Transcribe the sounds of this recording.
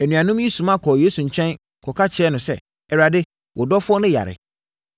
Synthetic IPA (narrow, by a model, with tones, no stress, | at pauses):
æ˨nũ˨ã˨nʊ̃˦mji˦sũ˨mã˦kʰɔ˨jeː˦su˨ɲ̩˨t͡ɕʰᶣɛ̃˦n | kʰɔ˨kʰa˦t͡ɕʰɪ˨ɛ˦nʊ̃˨sɛ˦˨ | ɛ˨ɾa˨dɪ˦ | wʔɔ˨dɔ˦fʊ˦ɔ˦nʊ̃˦ja̰˨ɾɪ̰˨